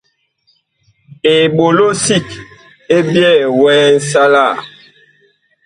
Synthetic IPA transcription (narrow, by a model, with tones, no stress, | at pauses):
e˨ɓo˨lo˦si˦˨k | e˦bjɛ˦˨wɛː˦n̩˦sa˦la˦˨